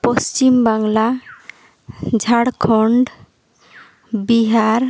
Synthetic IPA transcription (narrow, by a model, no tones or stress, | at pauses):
post͡ɕimbaŋla | d͡ʑʱaɽkʰɔɳɖ | biɦaɾ